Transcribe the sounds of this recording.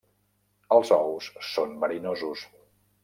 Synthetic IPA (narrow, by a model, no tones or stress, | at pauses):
əlˠzɔwsːonbəɾinozus